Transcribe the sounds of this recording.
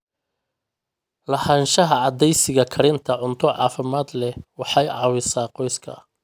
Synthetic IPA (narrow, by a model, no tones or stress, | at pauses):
lɐhanʃɐɦɐʕɑd̪ɛjsɪɣɐkʰɐɾɪnt̪ʰɐʕʊnt̪ʰɔʕɑ̰ːfɪmaːd̪lɛwɑħɑjʕɑːwɪsaːqɔjskʰɐ̰